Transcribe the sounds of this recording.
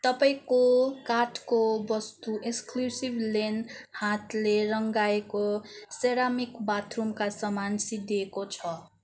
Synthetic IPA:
t̪ʌpaĩkokaʈkobʌst̪uʔeksklusiblenhat̪leɾʌŋɡaekoseɾamikbat̪ʰrumkasʌmansid̪iekot͡sʰʌ

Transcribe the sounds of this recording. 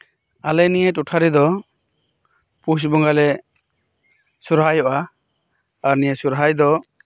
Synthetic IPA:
alɛnijəʈuʈʰaɾid̪ɔ | pusbɔŋɡalɛ | suɾɦajɔʔaː | ɾnijəsuɾɦajd̪ɔ

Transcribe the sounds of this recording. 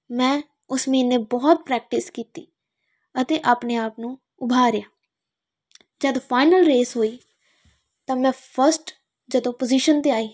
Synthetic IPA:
mɛ̃ː | ʊsmĩːneːbɔːt̪̚pɾɛːk̚ʈɪskiːt̪iː | ət̪eːʔaːpneːaːpnũː | ʊbʱaːɾɪjaː | d͡ʒəd̪pʰaːɪnəlɾeːsɦoːiː | t̪ãːmɛ̃ːpʰəɾsʈ | d͡ʒəd̪õːpəziːʃənt̪eːaːiː

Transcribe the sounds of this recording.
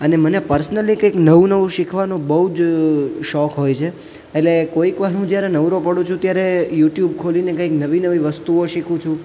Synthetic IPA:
ənemənepəɾsnəlikəjknəʋũnəʋũʃikʰʋanõbəɦud͡ʒʃɔkɦojt͡ʃʰeː | ʈlekoikʋaɾũd͡ʒjaɾenəʋɾopəɽũt͡ʃʰũt̪jaɾejuʈjubkʰolinekəiknəʋinəʋiʋəst̪uoʃikʰũt͡ʃʰũ

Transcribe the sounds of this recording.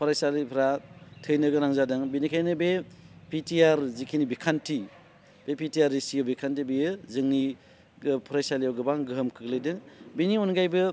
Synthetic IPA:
pʰɯɾajsalipʰɾatʰɯjnɯɡɯɾaŋzadɯŋbinikʰajnɯbepitʰiaɾzikʰinibikʰantʰi | b̥epitiaɾisiɡɯbikʰantibijɯzɯŋni | ɡɯpʰɾajsalijawɡɯbaŋɡɯɦɯmkʰɯɡlɯjdɯŋbinionɡajbɯ

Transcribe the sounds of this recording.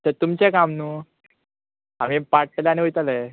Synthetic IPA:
t̪ət̪umt͡ɕekamnu | amipaɽ̚ʈlaniʋojt̪alə

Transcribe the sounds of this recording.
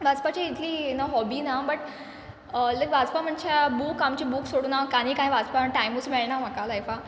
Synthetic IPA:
ʋad͡zpat͡ɕiit̪ʰiːnaɦɔbiːnabəʈ | ləkʋad͡zpam̤əɳt͡ɕʰabuːkamt͡ɕibuːksoɽunakaɽ̃ĩːkãĩʋad͡zpaʈajmut͡smeɭɳam̤akalajfa

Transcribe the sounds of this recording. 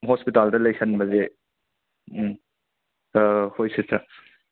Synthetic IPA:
ɦospitaldɐlɐjsʰɐnbɐze | hojsesɐ

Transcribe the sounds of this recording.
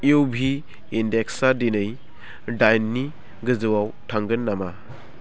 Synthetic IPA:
iwbʱiː | ndeksadinɯj | dajnːi | ɡɯzɯwawtʰaŋɡɯnːama

